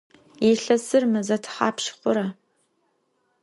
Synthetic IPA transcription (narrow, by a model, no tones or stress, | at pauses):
jeɬɐsɨrmɨzɐtʰχa̰ːpʃχʷʊɾɐ